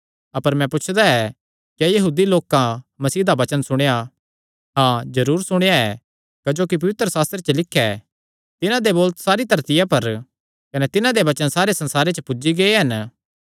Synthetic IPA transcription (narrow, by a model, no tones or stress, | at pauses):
ɐpəɾmɛ̃pʊt͡ʃʰd̪aɛ | kɛjɐɦuːd̪iloːkãmɐsiːd̪abɐt͡ʃənsʊɽ̃eja | ɦãːzɐɾuːɾsʊɽ̃jaɛ | kɐd͡ʒoːkip̬ɐʋɪt̪ɾəsaːst̪ɾet͡ʃəlɪkʰːɛ | t̪ɪnãd̪eboːlt̪saːɾit̪ɐɾt̪ɪjapɐɾ | kɐnɛt̪ɪnãd̪ebɐt͡ʃənsaːɾesɐ̃nsaːɾet͡ʃəpʊd͡ʒiɡɐeɦɐn